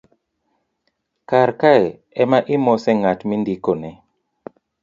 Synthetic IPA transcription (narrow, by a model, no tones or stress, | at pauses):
kaɾkaɛ | ɛmaʔɪmɔsɛŋatmindikonɛ